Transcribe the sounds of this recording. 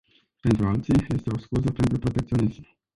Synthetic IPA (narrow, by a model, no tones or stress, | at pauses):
t̪ɛnt̪ualt̪siɛst̪ɔɔskuzɔt̪ɛnt̪ɾɔpɾɔt̪ɛk̚t̪ijɔnizmu